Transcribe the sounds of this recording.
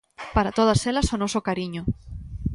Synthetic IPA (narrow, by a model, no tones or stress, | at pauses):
paɾat̪oð̞ɐselɐsonɔsokaɾiɲo